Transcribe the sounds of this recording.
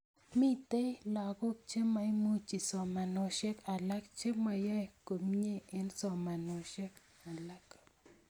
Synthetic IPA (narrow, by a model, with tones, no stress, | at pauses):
mi˦t̪e˦la˨ko˦k̚t͡ʃe˦ma˨jmu˦t͡ʃi˨sɔ˨ma˨no˨ʃe˦ka˨la˦k̚t͡ʃe˦ma˨ja˦˨ko˨mɲe˦ɪ˦nsɔ˨ma˨no˨ʃe˦k | a˨la˦k